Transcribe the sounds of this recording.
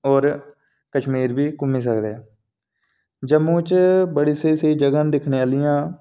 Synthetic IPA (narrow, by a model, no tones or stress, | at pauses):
oːɾ | kəʃmiːɾbiːkʊmiːsəkd̪eː | d͡ʒəmːũːt͡ʃbəɽiːsəiːsəiːd͡ʒəɡənd̪ɪkʰneːaːlɪjãː